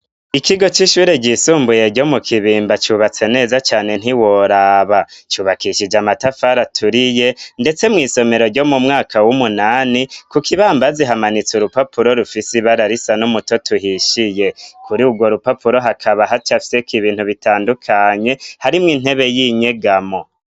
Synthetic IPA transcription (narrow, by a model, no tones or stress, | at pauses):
ikiɡo̞t͡ʃiʃuːɾeɟisuːmbuje̞ɾɟo̞mukʰiβiːmbat͡ʃuːβat͡se̞ne̞ːzat͡ʃaːne̞n̥iwoɾaβat͡ʃuːβakiʃid͡ʒamatafaɾatʰuɾije̞nde̞t͡se̞mŋiːso̞me̞ɾo̞ɾɟo̞mumŋaːkawumunaːnikukʰiβaːmbaziɦamanit͡suɾupapuɾo̞ɾufisiβaɾaɾisanumuto̞tuɦiʃije̞kʰuɾiuɡwo̞ɾupapuɾo̞ɦakʰaβaɦat͡ʃafi̥sekiβiːnthuβitaːndukʰaɲe̞haɾimŋiːn̥he̞βe̞jiɲe̞ɡamo̞